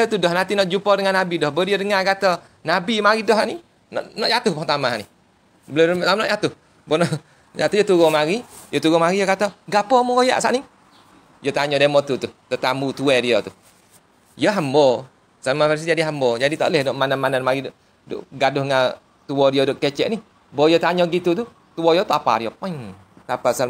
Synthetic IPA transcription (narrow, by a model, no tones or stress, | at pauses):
ət̪udɔhnant̪inɔʔd͡ʒupɔdəŋanabidɔhbədiədəŋaɡat̪ɔ | nabimaɾidɔɦaʔni | nɔ̰ʔnɔʔjat̪ʊhpɔt̪amanih | bəlʊtamnɔʔjat̪ʊh | bɔnɔ | jat̪ujət̪uɣɔmaɾijət̪uɡɔmaɾijəkat̪ɔɡapɔmukoja̰ʔsa̰ʔni | jət̪aɲɔdamɔt̪ut̪uht̪ət̪ambut̪uɛdiɔt̪u | jəɦambɔ | salmafas̬id͡ʒadiɦambɔd͡ʒadit̪a̰lɛhnɔʔmananmananmaɾidʔ | dʊ̰ʔɡadʊhŋa | t̪uɔdiɔdʊʔkɛt͡ʃɛʔnih | bɔjɔt̪aɲɔɡit̪ut̪̬u | t̪uɔjɔt̪uapa̰ɾijɔŋ | t̪apasal